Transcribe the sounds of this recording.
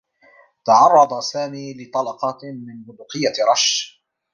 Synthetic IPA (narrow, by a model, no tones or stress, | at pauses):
t̪ɑʕɑrˤːɑd̪ˤɑsaːmiːlɪt̪ˤɑlɑqɑmɪnbʊd̪ʊqɪjːaɾˤɑʃ